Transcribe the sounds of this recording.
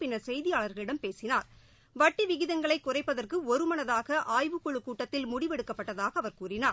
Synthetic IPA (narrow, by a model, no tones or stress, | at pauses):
pɪnɐsɛjðɪjaːɭɐɾɣɐɭɪɽɐmpeːsɪnaːɾ | ʋɐʈːiʋɪɣɪðɐŋɡɐɭɐɪkːʊrɐɪpːɐðɐrkɯɔɾɯmɐnɐðaːɣɐʔaːjʋɯkːɔɭɯkːuːʈːɐt̪ːɪlmʊɽɪʋɛɽɯkːɐpːɐʈːɐðaːɣɐːʋɐɾkuːrɪnaː